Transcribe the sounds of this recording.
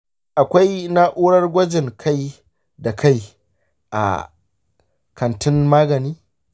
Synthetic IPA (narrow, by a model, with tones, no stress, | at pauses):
ʔa˨kʷa˦jna˦ʔuː˦ɽɐ˦rɡʷɐ˦d͡ʒɪ˨ŋkʰa˦j | da˨kʰa˦˨j | ʔa̰˨ | kʰɐ˨ntʰɪ˦nmaː˦ɡɐ˨niː˦